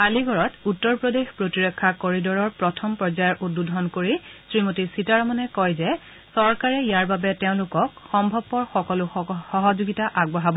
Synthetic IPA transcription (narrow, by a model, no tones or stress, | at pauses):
aliɡʱɔɹɔtutːɔɹpɹodexpɹotiɹɔkʰːakoɹidɔɹɔɹpɹɔtʰɔmpɹɔzajɔɹʔudːudʱɔnkoɹisɹimotisitaɹɔmanɛkɔjzɛ | sɔɹkaɹɛijaɹbabɛteʊ̃lʊkɔkxɔmbʱɔbpɔɹxɔkɔlʊxɔɦɔzuɡitaʔaɡ̚bɔɦabɔ